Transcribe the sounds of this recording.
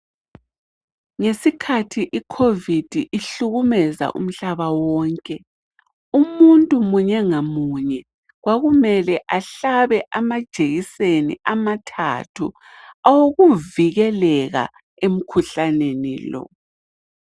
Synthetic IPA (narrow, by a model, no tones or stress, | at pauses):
ŋesikʰatʰiʔikʰovid̥ʱiʔiɬuɣumɛza̰ʔṵm̩ɬaβawɔːŋkʼɛ | umuntʼumuɲɛŋamuɲɛ | ɣwaɣumɛlɛʔaɬaβɛʔamad̥ʒ̥ʱeɣisenḭʔamatʰa̰tʰṵ | awoɣuviɣɛlɛɣa̰ | em̩kʰuɬanenḭlɔ̰